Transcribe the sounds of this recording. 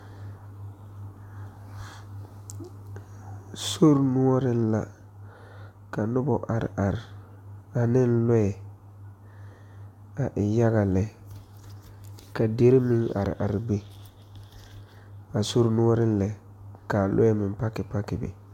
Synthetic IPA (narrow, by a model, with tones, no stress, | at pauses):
so˦ɾnʊ˦ɔ˦ɾɪ˦n˦la˨ | ka˨nʊ˦bɔ˨ʔa˨ɾɪ̰˨ʔa˨ɾɪ˨ | a˨nɪ˦n˦lɔ˦ɛ˨ | a˨ʔɪ˨ja˦ɣa˨lɛ˨ | ka˨de˦ɾɪ˦mɪ˦ŋa̰˨ɾɪ̰˨ʔa˨ɾɪ˨be˦ | a˨so˦ɾnu˦ɔ˦ɾɪ˦n˦lɛ˨ | ka˨lʔʊ̰˦ɛ˦mɪ˨m˦pa˦kɪ˨pa˦kɪ˨bɛ̰˨